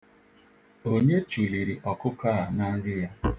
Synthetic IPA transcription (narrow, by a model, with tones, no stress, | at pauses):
o˦ɲe˦t͡ʃu˨li˨ɾi˨ʔɔ˨kʊ˦ka˦˨a˨na˦ɡɪ˦ja˦